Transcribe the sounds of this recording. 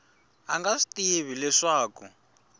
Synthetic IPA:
aŋɡasi̥tieβilɛʂaːkṵ

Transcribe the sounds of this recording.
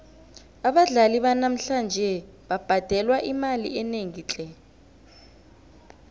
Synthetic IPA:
aɓaɮaliɓanam̩ɬand͡ʒʱɛ | ɓab̥ʱad̥ʱɛlwaʔimalḭɛneŋiːt͡ɬʼɛ

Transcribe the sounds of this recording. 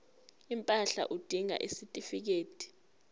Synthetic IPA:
impʼaɬa̰ʔud̥ʱiŋa̰ʔisitʼifik̬eːtʰʼi̥

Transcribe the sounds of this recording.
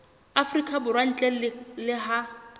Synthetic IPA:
afrikʼabʊrwan̩t͡ɬʼɛlɪɦa

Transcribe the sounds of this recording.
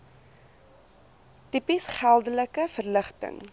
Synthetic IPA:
tipisχælˠdələkəfərləχtə̰ŋ

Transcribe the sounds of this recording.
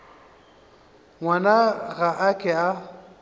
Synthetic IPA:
ŋwanaɣaʔakʼɛa

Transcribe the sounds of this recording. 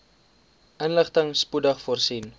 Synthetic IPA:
ʔənləχtəŋspudəχfɔrsin

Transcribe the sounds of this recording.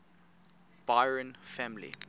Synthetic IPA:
b̥aɪɹə̃nfæmlḭ

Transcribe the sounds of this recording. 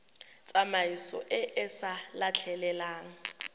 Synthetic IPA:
t͡sʼamaisɔ̰ʔɪʔɪsalat͡ɬʰɛlɛlaːŋ̩

